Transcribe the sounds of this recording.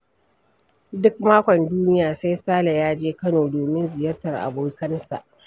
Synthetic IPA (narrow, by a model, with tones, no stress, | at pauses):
dʊ˦k̚maː˦kʷɔ˨nduː˦nɪ˦jaː˨sa˦jsaː˦la˨jaː˦d͡ʒeː˦kɐ˦noː˨doː˨mɪ˦nzɪ˨jɐ˦rtɐ˨rʔa̰˨boː˦kɐ˦nsa̰˨ʔ